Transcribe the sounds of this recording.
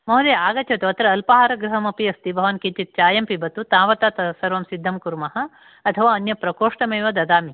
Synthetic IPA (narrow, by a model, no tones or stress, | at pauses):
moɦɐd̪eːaːɡɐt͡ʃʰɐt̪uɐt̪ɾɐːlpɐɦaːɾɐɡɾuɦɐmɐpiɐst̪ibʱɐʋɐnkit͡ʃit̪̚t͡ʃaːjɐmpibɐt̪ut̪aːʋɐt̪aːt̪ɐsɐɾʋɐmsid̪ʱːɐmkuɾmɐɦɐ̆ | ɐt̪ʰɐʋaːɐnjɐpɾɐkoːʂʈɐmeːʋɐd̪ɐd̪aːmi